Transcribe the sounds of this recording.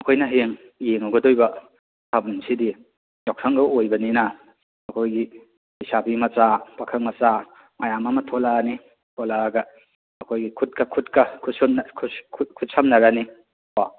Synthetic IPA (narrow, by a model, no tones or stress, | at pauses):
ɐkʰojnɐɦeŋ | jeŋawɡɐdojbɐ | tʰabunsidi | d͡ʒaksʰɐŋɡɐojbɐninɐ | ɐkʰojɡi | hisabimɐt͡ʃapakʰɐŋmɐt͡ʃa | majamamɐtʰolani | tʰolaɡɐ | ɐkʰojɡikʰut̚kɐkʰutkɐkʰusokʰkʰkʰut̚samnɐɾani | a